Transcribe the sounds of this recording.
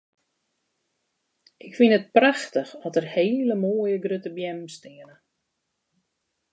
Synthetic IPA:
ʔɪkfinət̚praxtəxɔtərheːləmoːjəɡrøtəbjɛmstɪənə

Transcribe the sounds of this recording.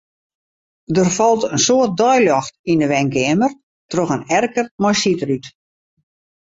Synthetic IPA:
dərfɔlˠtənsoərt̚dɔjljɔxtindəʋɛŋkɪəmər | troxənɛrkərmɔjsitəryt

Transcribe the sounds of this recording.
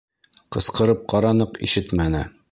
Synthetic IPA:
qɤ̆sqɤ̆ɾɤp̚qɑɾɑnɤqḭʃɘt̪mænɘ

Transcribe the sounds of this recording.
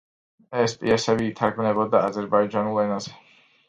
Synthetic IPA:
ɛspʼḭasɛbiːt̪ʰaɾɡmnɛbɔd̪aːzɛɾbaid͡ʒanulˠɛnazɛ

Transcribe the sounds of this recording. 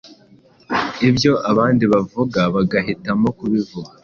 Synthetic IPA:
ibjo̞ʔaβaːndiβavuɡaβaɡaɦitamo̞kuβivuɡa

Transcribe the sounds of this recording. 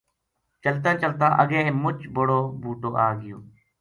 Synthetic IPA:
t͡ʃəlt̪ãːt͡ʃəlt̪ãːʔəɡẽːmʊt͡ʃboːɽoːbʱuːʈoːʔaːɡɪjo̰ː

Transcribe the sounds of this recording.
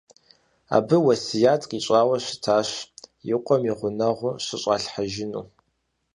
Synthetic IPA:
a̰ːbɨwɐsijaːtʼqʼiɕʼaːwɐɕʷɪ̥tʰaːɕjɪqʷʼɔmiʁʷʊnɐʁʷʊɕɪɕʼaːɬħaʒɪnṵː

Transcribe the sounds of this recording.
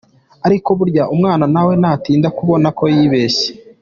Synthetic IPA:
aɾiko̞βuɾɟaʔumŋaːnanawe̞naːtiːndakuβo̞nako̞jiːβe̞ːse̥

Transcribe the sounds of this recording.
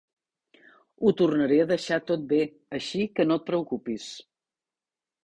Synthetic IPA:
ut̪urnəɾeəðəʃat̪ot̪̚be | əʃikənot̪̚pɾəukupis

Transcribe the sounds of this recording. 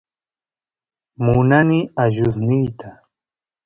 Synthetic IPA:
mʊnanɪaʒʊsnɪjt̪a

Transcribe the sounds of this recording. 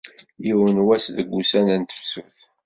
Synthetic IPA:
jiwənwæsðəɡʷːusænænt̪ə̥fsuθ

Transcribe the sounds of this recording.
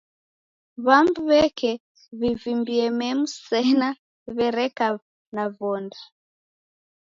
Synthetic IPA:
βambuβɛkɛ | βivimbiɛmɛmusɛna | βɛɾɛka | naβɔnda

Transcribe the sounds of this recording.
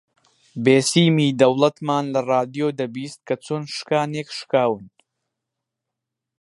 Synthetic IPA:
beːsiːmiːd̪ɐwlˠɐt̪maːnlɐraːd̪ijoːd̪ɐbiːst̪̚kʰɐt͡sʰoːnʃɨ̥kaːneːkʃkaːwɨn

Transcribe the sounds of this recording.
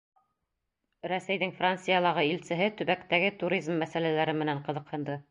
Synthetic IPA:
ɾæsæjðɘŋfrant̪sɨjalˠɑʁɤilsɘ̆ɦɘt̪ɵ̆βækt̪æɡɘt̪uɾʲizmːæsælælæɾɘmɘ̆næɴqɤ̆ðɤ̆qhɤ̆nd̪ɤ

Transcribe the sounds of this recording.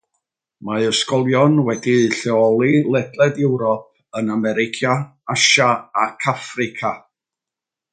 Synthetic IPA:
maəskɔlˠjɔnwɛdiɬɛɔlˠilˠɛdlˠɛdɪwɾɔp̚ənamɛɾɪkʰjaaʃaakʰafrɪkʰa

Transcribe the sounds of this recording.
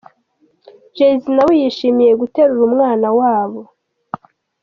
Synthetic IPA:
ʒezinawijiʃimije̞ɡute̞ɾuɾumŋaːnawaːβo̞

